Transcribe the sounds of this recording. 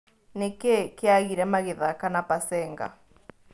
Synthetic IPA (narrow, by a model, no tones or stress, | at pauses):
nekekeaɣiɾɛmaɣeðakanapasɛːŋɡa̰